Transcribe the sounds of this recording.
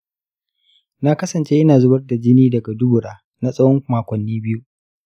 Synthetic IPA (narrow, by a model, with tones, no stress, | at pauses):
na˦kɐ˦sɐ˨nt͡ʃe˦ʔɪ˦naː˨zʊ˦bɐ˦rda˨d͡ʒɪ˦niː˦dɐ˨ɡa˨dʊ˦bʊ˨ɽaː˦ | na˦sʼɐ˦wɔ˦ŋ˨maː˨kʷɐ˨nːiː˦bɪ˦ju˦ʔ